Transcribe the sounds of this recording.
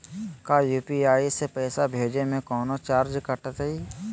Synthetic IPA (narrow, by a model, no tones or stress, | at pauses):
kaːjuːpiaːisepɛːsabʱeːd͡ʒemẽkɔːnot͡ʃaːɾd͡ʒkəʈət̪ɦəi